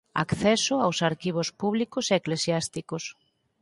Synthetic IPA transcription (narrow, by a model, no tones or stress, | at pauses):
a̰kθɛsʊawsaɾkiβ̞ospuβlikoseeklesjast̪ikos